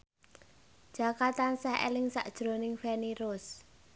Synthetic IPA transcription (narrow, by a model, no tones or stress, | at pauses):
d̥ʒ̥a̤kat̪ansahḛlɪŋsa̰ʔd̥ʒ̥ɾo̤nɪŋfɛniɾʊs